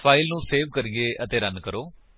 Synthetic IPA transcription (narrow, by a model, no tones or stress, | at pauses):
pʰaːɪlnũːseːʋkəɾieːʔət̪eːɾənkəɾoː